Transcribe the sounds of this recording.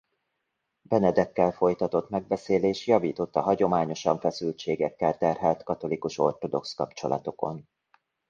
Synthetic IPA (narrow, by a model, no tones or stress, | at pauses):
bɛnɛd̪ɛkːɛlfo̞jt̪ɒt̪o̞t̪mɛɡ̚bɛseːleːʃjɒviːt̪o̞t̪ːɒɦɒɟo̞maːɲo̞ʃɒɱfɛsylt͡ʃeːɡɛkːɛlt̪ɛrɦɛlt̪kɒt̪o̞likuʃo̞rt̪o̞d̪o̞kskɒpt͡ʃo̞̰lʔɒ̰t̪o̞ko̞n